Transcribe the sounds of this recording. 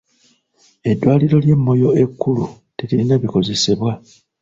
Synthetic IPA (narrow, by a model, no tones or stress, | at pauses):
e̞dːwaːliɾo̞lje̞mːo̞jo̞e̞kːulu | telinaβiko̞ze̞seβwa